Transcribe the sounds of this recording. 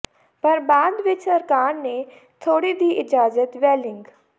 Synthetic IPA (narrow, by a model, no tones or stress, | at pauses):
pəɾbaːd̪ʋɪt͡ʃəɾkaːnːeː | t̪ʰoːɽiːd̪iːʔɪd͡ʒaːzət̪ʋɛːlɪŋɡ